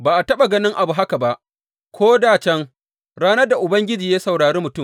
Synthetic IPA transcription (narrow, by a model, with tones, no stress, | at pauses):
baː˨ʔa˨tɐ˦ɓa˨ɡɐ˦nɪ˦ŋʔa˨bu˨ɦa˦ka˨ba˦ʔ | kʷoː˦daː˦˨t͡ʃɛ˦ŋ | ɽaː˦nɐ˦rda˨ʔʊ˨bɐ˦ŋɡʲɪ˦d͡ʒiː˨jaː˦sa˨wɽaː˨ɾeː˦mʊ˨tʊ˦˨m